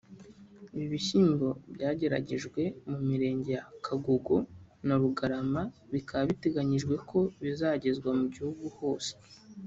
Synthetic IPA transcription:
iβiβiçiːmbo̞bjaːɟe̞ɾa̰ɟe̞ʒɡwe̞mumiɾe̞ːɲɟe̞jakʰaɡoɡo̞naɾuɡaɾamaβikʰaβaβite̞ɡaɲiʒɡwe̞kʰo̞βizaːɟe̞zɡwamuɟihuɡuho̞ːse̥

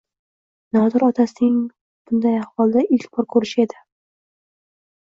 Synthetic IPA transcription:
nɒd̪ɪɾɒt̪ʰasɪnɪŋ | b̥ʊnd̪ajahwɒlˠd̪aʔɪlkʲbɒɾkʰɵɾɪʃed̪ɪ

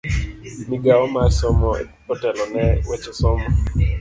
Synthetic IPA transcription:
miɡaɔmarsɔmɔḛpɔtɛlɔnɛwɛt͡ʃɔsɔmɔ

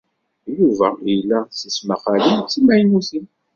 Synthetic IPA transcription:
juvæjlːæsəsməχælint͡sːimæjnuθən

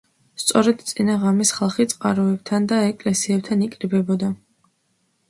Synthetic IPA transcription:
st̪sʼɔɾɛd̪t̪sʼinaʁamisχalˠχit̪sʼqʼaɾɔɛb̚t̪ʰand̪aɛkʼlɛsiɛb̚t̪ʰanikʼɾibɛbɔd̪a

